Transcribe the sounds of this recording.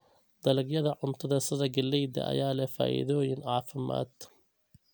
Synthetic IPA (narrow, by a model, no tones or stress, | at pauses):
d̪̥ɐlɐɡjɐðɐʕʊnt̪ʰɐðɐsɐðɐɡɐlːɛjd̪ɐ̰ʔɐ̰jaːlɛfa̰ːʔɪ̰ðɔːjɪnʕɑːfɪma̰ːd̪